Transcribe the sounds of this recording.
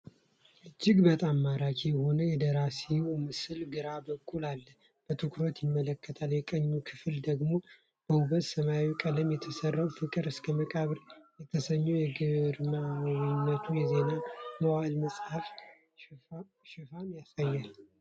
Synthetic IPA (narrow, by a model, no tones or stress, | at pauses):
ɨd͡ʒːɪɡbət̪ʼamːaɾakijɛho̞nəjɛd̪əɾasiwmɨsɨlɡɨɾabəkʼːulalːə | b̥ət̪ʰɨkʰɾo̞t̪jɪmːələkʰːət̪ʰaljɛkʼəɲːukʰɨfɨld̪əɡmo̞ | b̥əuβət̪səmaikʼələmjɛt̪ʰəsərːawfɨkʼɨɾɨskʰəməkʼaβɾjɛt̪ʰəsəɲːujɛɡɨɾmawnːət̪ʰujɛze̞naməwalməsʼhaf | ʃɪfamjasajːal